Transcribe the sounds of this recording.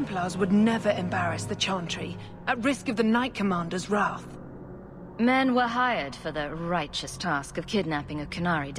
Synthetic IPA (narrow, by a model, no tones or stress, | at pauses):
mpʰlɑzwədⁿnɛvə˞ɨ̃mbæɹɨsðɨt͡ʃʰɑ̃ntʰɹ̥i | ɨt̚ɹɪskʌvðɨnaɪt̚kʰəmɑ̃ndə˞zɹæθ | mɛ̃nwə˞ɦaɪə˞d̥fə˞ðɨɹaɪt͡ʃɨstʰæskʌv̥kʰɪdⁿnæpɪ̃ŋɨkʰɨnɑɹi